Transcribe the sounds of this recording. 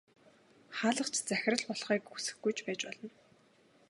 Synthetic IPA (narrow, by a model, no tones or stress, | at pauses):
χaːɮə̆χt͡ɕʰt͡sæxʲɪ̆rə̆ɮpɔɮχiːkːusɘ̥̆xɡujt͡ɕpæːt͡ɕpɔɮɞ̆n